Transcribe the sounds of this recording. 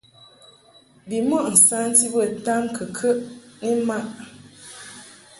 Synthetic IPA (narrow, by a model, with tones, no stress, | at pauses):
bi˨mɔ˦ʔn̩˨sa˦n˦di˦bə˦˨ta˦mkʰə˨kʰə˦ʔni˦ma˦ʔ